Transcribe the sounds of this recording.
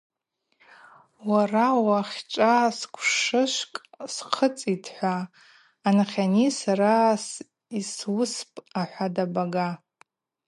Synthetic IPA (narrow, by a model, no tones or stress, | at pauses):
warawaχʲt͡ʃʷʼaskʷʰʂɨʃʷkʼsqʰət͡sʼitʰħʷaː | naχʲanisaɾas | iswʊspʼaħʷadabaɡa